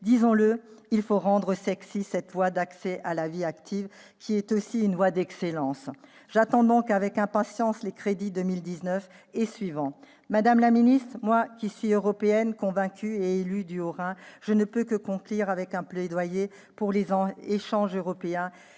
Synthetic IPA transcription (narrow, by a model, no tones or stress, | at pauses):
d̪izɔ̃ləilfoʁɑ̃d̪ʁəsɛksisɛt̪vwad̪aksɛʔalaviakt̪ʰiv | kʲʰiɛt̪osiynvwad̪ɛkselɑ̃s | ʒ̥at̪ɑ̃d̪ɔ̃kavɛkɛ̃pasjɑ̃slekχed̪id̪əmild̪iznœf | esɥivɑ̃ | mad̪amlaminist̪χmwakʲisɥiøʁɔpeɛnkɔ̃vɛ̃kʲʰyeelyd̪yoʁɛ̃ʒ̥ənəpøkəkɔ̃kliʁavɛkɛ̃plɛd̪waje | puʁlezɑ̃eʃɑ̃ʒøʁɔpeɛ̃